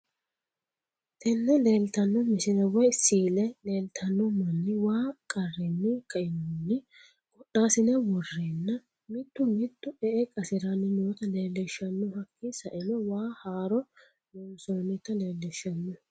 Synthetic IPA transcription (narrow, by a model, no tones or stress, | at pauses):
t̪ɛnːɛle̞ːlt̪ɐnːɔmɪsɪnɛwɐjsiːlɛle̞ːlt̪ʰɐnːɔmɐnːɪwaːkʼɐrːɪnːɪkɐʔɪnɔnːɪ | kʼɔɗːaːsɪnɛwɔrːeːnːɐ | mɪt̪ːʊmɪt̪ːʊɛʔɛkʼɐsɪɾɐnːɪnoːt̪ɐle̞ːlːɛʃːɐnːɔhɐkːisɐʔɪnɔwaːhaːɾɔ | noːsɔnɪt̪ɐle̞ːlːɛʃːɐnːɔ